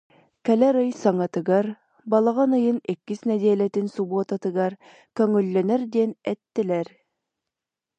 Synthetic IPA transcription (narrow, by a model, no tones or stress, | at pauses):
kælæɾɤjsɑŋɑt̪ɤ̆ɡɑɾ | bɑlˠɑʁɑnɤ̆jɤnekːɘsnæd̪æːlæt̪ɘnsubot̪ɑt̪ɤ̆ɡɑɾ | kɵ̆ŋɵ̆lːænæɾd̪iɛnæt̪ːɘ̆læɾ